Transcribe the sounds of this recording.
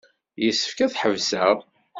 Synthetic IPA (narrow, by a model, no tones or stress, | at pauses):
jəsːə̥fkæθħəvsæʁ